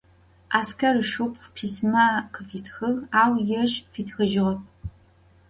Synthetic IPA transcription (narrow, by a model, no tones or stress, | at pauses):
ʔaːskʰɐrɨʂɨqʷpʰiːsmaːqʰəfiːtʰxɨʁaːwjɛʒfiːtʰxɐʒɪʁɐp̚